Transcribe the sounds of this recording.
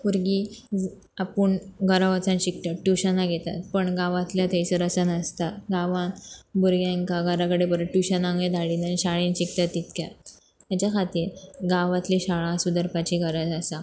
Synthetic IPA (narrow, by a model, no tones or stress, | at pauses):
buɾɡi | apuːɳɡʱəɾaʋət͡sãnɕik̚t̪aʈuɕənaɡʱet̪a̰t̪̚pəɳɡãʋãt̪ljat̪ʰəjt͡səɾəsənəst̪aɡaʋãnbuɾɡjãŋkaɡʱəɾakəɽepəɾəʈːuɕənãŋed̪ʱaɽiːnaniɕaɭĩnɕik̚t̪at̪ːit̪kja | t̪jat͡ɕakʰat̪iːɾɡaʋãt̪liɕaɭãsud̪əɾpat͡ɕiɡʱəɾad͡zasa